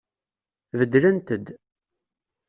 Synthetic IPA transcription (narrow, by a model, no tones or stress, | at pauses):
vəd̪ːlænt̪əd̪